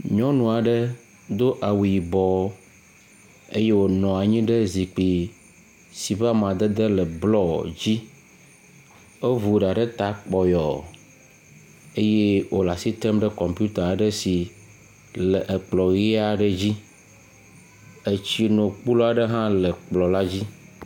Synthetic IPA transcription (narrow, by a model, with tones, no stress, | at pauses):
ɲɔ̃˦nũ˨a˨ɖə˦ | d̪o˦ʔa˨wu˨i˨bɔ˨˦ | ḛ˦je˦wo˨nɔ̃˨a˨ɲĩ˦ɖe˦zi˨k͡pi˨ | si˨ɸa˦mã˨d̪e˦d̪e˦lɛ˨blɔ˦d͡ʑi˦ | e˦vu˨ɖa˨ɖe˦t̪a˨k͡pɔ˨jɔ̰˨ | e˦je˦wʔo˨la˨si˦t̪ɛ˦mɖɛ˦kɔ˨mpju˦t̪a˨ɖe˦si˨ | le˨ʔe˨k͡plɔ˨ɣi˦a˨ɖe˦d͡ʑi˦ | e˨t͡ɕi˦nõ˨k͡pu˦lo˦a˨ɖe˦ɦã˦lɛ˨k͡plɔ˨la˦d͡ʑi˦